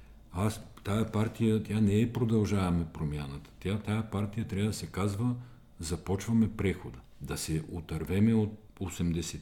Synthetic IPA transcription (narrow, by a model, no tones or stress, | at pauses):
as | t̪ajɐpaɾt̪ijət̪ʲjanɛːpɾod̪ɐlˠʒavɐmɛpɾomjanət̪ə̥t̪at̪ajɐpaɾt̪ijət̪ɾʲavəd̪ɐsɛkazvə | zɐpɔt͡ʃvɐmɛpɾɛxod̪ə | d̪ɐsɛʔot̪ɐɾvɛmɛot̪̚ | osɛmd̪ɛsɛt̪